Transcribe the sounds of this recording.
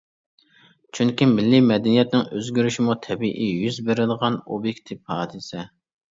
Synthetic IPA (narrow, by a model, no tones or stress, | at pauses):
t͡ʃʰyŋkʲimɪlːimɛd̪ɛnijɛt̪̚nɪŋøzɡʲyɾyʃimut̪ʰɛbiʔijyzbeɾɪd̪ʁɑno̰bjekʲt̪ʰipʰɑːd̪ɨsɛ